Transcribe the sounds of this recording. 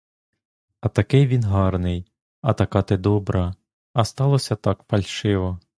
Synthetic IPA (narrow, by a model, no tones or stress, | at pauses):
ɐt̪ɐkɪjʋʲinɦɑrnɪj | ɐt̪ɐkɑt̪ed̪ɔbɾɐ | ɐst̪ɑlˠɔsʲɐt̪ɑkpɐlʲʃɪʋɔ